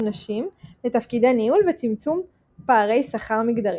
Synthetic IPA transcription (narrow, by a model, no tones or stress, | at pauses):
naʃimlet̪afkid̪aniulvet͡simt͡sum | paːʁe̞jsaχaʁmiɡd̪aʁi